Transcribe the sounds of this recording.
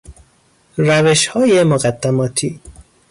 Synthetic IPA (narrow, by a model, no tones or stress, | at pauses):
ræveʃhɒːjemoɣæd̪ːæmɒːt̪ʰiː